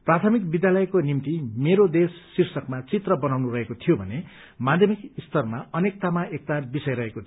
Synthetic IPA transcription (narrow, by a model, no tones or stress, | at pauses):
prat̪ʰʌmik̚bid̪jalʌekonimt̪imeɾod̪esːirsʌkmat͡sit̪rʌbʌnawnuɾʌɦekot̪ʰijobʱʌne | mad̪ʱjʌmikist̪ʰʌrmaʌnek̚t̪amaʔek̚t̪abisʌjɾʌɦekot̪ʰ